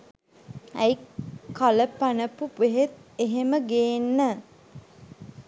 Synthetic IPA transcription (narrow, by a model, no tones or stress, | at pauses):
æjkaləpanəpuʋeɦet̪̚eɦeməɡenːə